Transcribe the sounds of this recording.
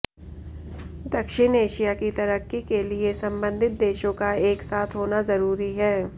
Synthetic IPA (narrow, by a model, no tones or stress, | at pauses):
d̪ɐkʃɪneːʃijakit̪ɐɾəkːikeliesɐ̃mbə̃nd̪ʱɪt̪̚d̪eːʃõkaeːksaːt̪ʰɦoːnazɐɾuːɾiɦɛː